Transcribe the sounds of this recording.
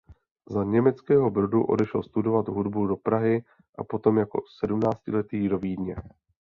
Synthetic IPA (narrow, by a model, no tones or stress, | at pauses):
zaɲɛmɛt͡skɛːɦo̞bɾoduʔo̞̰dɛʃɛlst̪udo̞vat̪ɦudbudo̞pɾaɦɪ | ʔa̰po̞t̪o̞mjako̞̰sɛdumnaːt͡scɪlɛt̪iːdo̞viːdɲɛ